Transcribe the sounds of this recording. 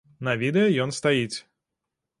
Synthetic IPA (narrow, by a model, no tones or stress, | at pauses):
nɐvʲid̪ɛjɐjɔnst̪ajit͡sʲ